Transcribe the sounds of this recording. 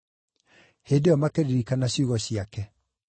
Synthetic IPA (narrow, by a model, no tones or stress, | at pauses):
hedeɔmakeɾiɾikanaɕjuɣɔɕiakɛ